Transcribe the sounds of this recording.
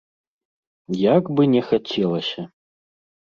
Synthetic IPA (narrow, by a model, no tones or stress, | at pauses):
jaɡbɨnʲɛxat͡sʲɛlˠɐsʲɐ